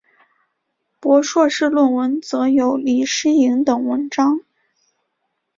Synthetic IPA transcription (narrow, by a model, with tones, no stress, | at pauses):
pwɔ˧˥ʂwɔ˥˧ʂɻ̩˥˧lwə˥˩nwə˧˥nt͡sɤ˧˥jo˧˥ʊli˨˩ʂɻ̩˥i˧˥ŋt̪ɤ˨˩ŋwə˧˥nʈ͡ʂɑ˥ŋ